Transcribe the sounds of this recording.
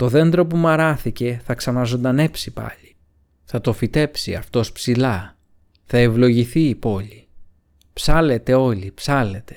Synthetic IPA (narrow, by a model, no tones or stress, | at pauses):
t̪o̞ðe̞nd̪ɾo̞pumɐɾɐθice̞θɐksɐnɐzo̞nd̪ɐne̞psipɐ̰ʎi | θɐt̪o̞fit̪e̞psiɐft̪o̞spsilɐ | θɐevlo̞ʝiθiːpo̞ʎi | psɐle̞t̪e̞o̞ʎipsɐle̞t̪e̞̥